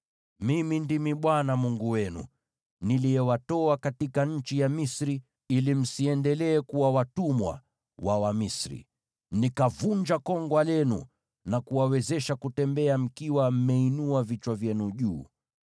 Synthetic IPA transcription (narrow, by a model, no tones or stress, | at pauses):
mimindimiɓwanamuŋɡuwɛnṵ | nilijɛwatɔakatikaɲ̩t͡ʃijamisɾi | ilim̩siɛndɛlɛːkuwawatumwa̰ | wawamisɾḭ | nikavuɲd͡ʒakɔŋɡwalɛnṵ | nakuwawɛzɛʃakutɛmbɛam̩kiwam̩mɛinuavit͡ʃwavjɛnuʄuː